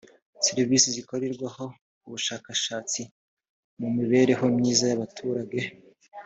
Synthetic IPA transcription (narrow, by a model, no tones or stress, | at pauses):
siɾivisizikoɾeɾɡwaho̞ | uβuʃaːkaʃaːt͡si | mumiβe̞ːɾe̞ɦo̞mɲiːzajaβatʰuːɾaɡe̞